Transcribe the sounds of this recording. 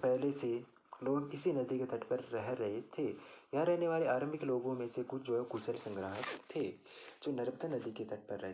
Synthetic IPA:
pɛɦlese | loːɡɪsinɐd̪iket̪ʰɐʈʰpɐɾːɐɦɾɐɦet̪ʰejaɾɛɦneʋaːleaːɾə̃mbɪkloːɡõmẽsekʊt͡ʃʰd͡ʒoːɛokʊsəlsɐ̃ŋɡɾaːɦətt̪ʰːeːd͡ʒoːnɐɾpt̪anɐd̪iket̪ɐʈ̚pɐɾːɛɦe

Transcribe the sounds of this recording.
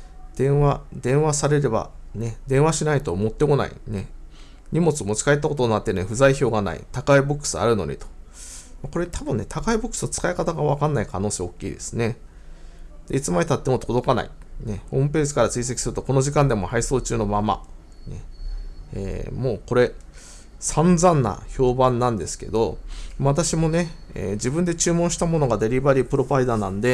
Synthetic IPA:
d̪̥ẽ̞ɰ̃βad̪ẽ̞ɰ̃βasaɾe̞ɾe̞ba̰ne̞d̪ẽ̞ɰ̃aɕinait̪o̞mo̞t̪ːe̞ko̞na̰ḭne̞ | ɲ̟imo̞t͡sɨomo̞t͡ɕi̥kaet̪ːako̞t̪onat̪ːe̞ɾɯiɸɯ̟zaiço̞ːɡana̰ḭt̪akaibo̞kːɯ̥sɨa̰ɾɯ̟no̞̰ɲ̟ʲḭt̪o̥ | mako̞ɾe̞t̪ʰabɯ̟̃nːe̞t̪ʰakaibokːɯ̥sɨ̥not͡sɨ̥kaikat̪aɡaβakãnːaikano̞ːseːo̞kʲːḭːd̪e̞̥sɨne̞ | d̪̥e̞it͡sɨmaɲʲit̪at̪ːemo̞t̪ʰo̞d̪o̞kana̰ḭ | ne̞hõ̞ːmɯ̟pe̞ːʑikaɾat͡sɨiːs̬e̞kʲi̥sɨɾɯt̪o̞ko̞no̞ʑikãnd̪e̞mo̞haiso̞ːt͡ɕɨːno̞mama̰ | ne̞̰ | ḛːmo̞ːko̞ɾe̞ | sãnd͡zãnːa̰ço̞ːbãnːãnd̪e̞sɨ̥ke̞̰d̪o̞maβat̪aɕimo̞ne̞ | ḛːd͡ʑibɯ̟̃nd̪e̞t͡ɕɨːmõɕi̥t̪amo̞no̞ɡad̪e̞ɾʲibaɾʲipɯ̟ɾo̞baid̪anãnod̪e̞

